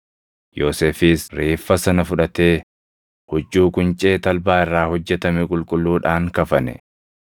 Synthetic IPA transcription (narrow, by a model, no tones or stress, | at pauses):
joːseːfiːsɾeːfːɐsɐnɐfʊᶑɐt̪eː | hɔd͡ʒːuːkʼʊnt͡ʃʼeːt̪ɐlbaːɪrːaːhɔd͡ʒːɛt̪ɐmɪkʼʊlkʼʊlːuːᶑaːŋkɐfɐnɛ̰